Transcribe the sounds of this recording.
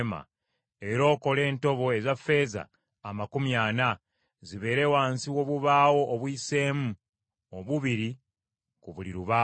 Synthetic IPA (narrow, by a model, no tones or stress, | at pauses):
ma̰ | e̞ɾo̞ːko̞le̞ːnto̞βo̞e̞zafe̞ːza̰ː | makumjaːna | ziβe̞ːɾewaːnsiwo̞ːβuβaːwo̞ʔːβwiːse̞ːmu | oβuβiɾi | kuβuliɾuβaː